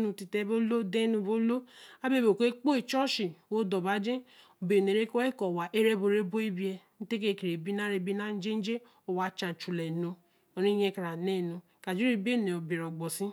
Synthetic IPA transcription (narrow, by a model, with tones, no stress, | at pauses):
nũ˧ti˨tɛ˦bo˦lo˦de˦nũ˧bo˦lo˦a˦be˦˨bo˨kʷe˦k͡po˦e˨t͡ʃɔ˦ʃi˨wo˦dɔ˨ba˨˦d͡ʒẽ˦o˨be˨ne˨ɾe˦ko˦ɛ˦kɔ˨wa˨ʔe˦ɾe˦bo˨ɾe˦bo˦i˦bi˦e˧n̩˦te˦k̬e˦˨ke˨ɾe˨bi˦na˦ɾe˧bi˦na˦n̩˦d͡ʒe˦n̩˦d͡ʒe˦ | o˨wa˨t͡ʃã˨t͡ʃu˨lɛ˨no˧ | o˨ɾi˦jɛ˧˦ka˨ɾa˨ne˦˨nũ˧ | ka˨d͡ʒu˦ɾi˦be˦˨ne˨o˨bi˨ɾɔ˨ɡ͡bɔ˨sĩ˦